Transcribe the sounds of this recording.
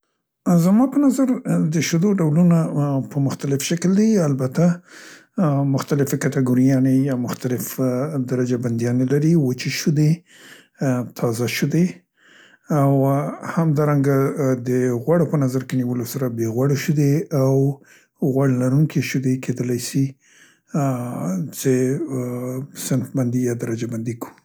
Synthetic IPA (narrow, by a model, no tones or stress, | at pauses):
zamɑpənazaɾd̪əʃʊd̪oɖawlunapəmʊxt̪alɪfʃakld̪ajalbat̪a | mʊxt̪alɪfekat̪aɡoɾijɑnejɑmʊxt̪alɪfd̪aɾad͡ʒaband̪jɑnelaɾiwot͡ʃeʃud̪e | t̪ʰɑzaʃʊd̪e | awhamd̪ɑɾaŋɡad̪əɣwaɽopənazaɾkeniwəlosaɾabeɣwaɽoʃud̪eaw | ɣwaɽlaɾuŋkʰeʃʊd̪ekʰed̪əlajsi | t͡se | sɪnfband̪ijɑd̪aɾad͡ʒaband̪iku̥